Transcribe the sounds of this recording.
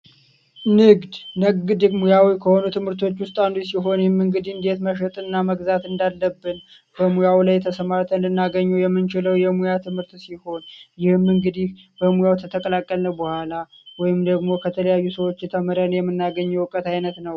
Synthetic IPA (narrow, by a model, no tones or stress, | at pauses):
nɨɡd̪nɨɡɡɨd̪ɨmujawikʰəho̞nut̪ʰɨmhɨɾt̪ʰo̞t͡ʃːwʊst̪ʼand̪usiɦo̞njɪhɨmːɨŋɡɨd̪ind̪e̞t̪məʃ̬ət̪ʼɨnːaməɡzat̪ɨnd̪alːəbːɨn | b̥əmujawlajt̪ʰəsəmaɾt̪ʰənlɨnːaɡəɲːɛwjɛmːɨnt͡ʃɪləwjɛmujat̪ʰɨmhɨɾt̪siho̞njɪhmːɨŋɡɨd̪ih | b̥əmujawt̪ʰət̪ʰəkʼəlakʼːəlnəwbəhʷala | wɔjɪmd̪əɡmo̞kʰət̪ʰələjajːusəwo̞t͡ʃːjɛt̪ʰəməɾənjɛmːɨnːaɡəɲːɛwɨkʼət̪ajnət̪nəw